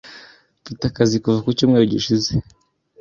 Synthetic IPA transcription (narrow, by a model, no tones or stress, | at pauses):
pitakazikuvakucuːmŋeɾoɟiʃize